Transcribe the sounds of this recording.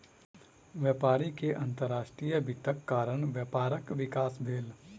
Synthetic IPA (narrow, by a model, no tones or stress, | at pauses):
ʋjəːpaːɾikeʔɐ̃nt̪əɾːaːʃʈɾijəbʱɪt̪əkːaːɾəɳ̃ʋjəpaːɾəkʋɪkaːsbʱeːl